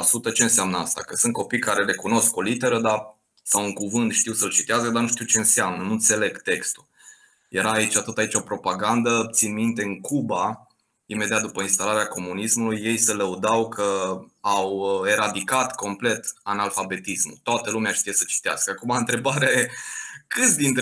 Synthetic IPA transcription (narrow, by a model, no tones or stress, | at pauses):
asut̪ət͡ʃe̞ɨnseamnəast̪a̰kəsɨnt̪̚ko̞pijkaɾe̞ɾe̞kuno̞sko̞lit̪e̞ɾəd̪a | sawuŋkuvɨnt̪ʃt̪iwsəlt͡ʃit̪easəd̪anuʃt̪iwt͡ʃe̞ɨnseamnənunt̪se̞le̞ɡt̪e̞kst̪ul | je̞ɾaːit͡ʃat̪ɨt̪ait͡ʃo̞pɾo̞paɡand̪ət̪sinmint̪e̞ɨŋkuba | ime̞d̪iat̪̚d̪upəinst̪alaɾeako̞munismulujːe̞jsələud̪awkʰəawe̞ɾad̪ikat̪ko̞mple̞t̪analfabe̞t̪ismṵt̪oat̪əlumeaʃt̪ijesət͡ʃi̥t̪ea̰skəakumaɨnt̪ɾe̞baɾeajekɨt̪sʲd̪int̪